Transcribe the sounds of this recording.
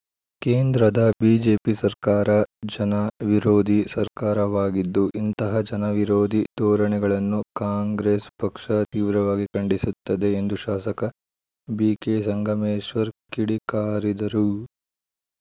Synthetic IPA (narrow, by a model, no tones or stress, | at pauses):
keːnd̪ɾɐd̪ɐbiːd͡ʒeːpisɐɾkaːɾɐd͡ʒɐnɐʋiɾoːd̪ʱisɐɾkaːɾɐʋaːɡid̪ːuʔint̪ɐɦɐd͡ʒɐnɐʋiɾoːd̪ʱid̪ɔːɾɐɳɛɡɐɭɐnːukaːŋɡɾeːspɐkʂɐt̪iːʋɾɐʋaːɡikɐɳɖisut̪ːɐd̪e̞ːnd̪uʃaːsɐkɐ | biːkeːsɐŋɡʱɐmeːʃʋɐɾkiɽikaːɾid̪ɐɾu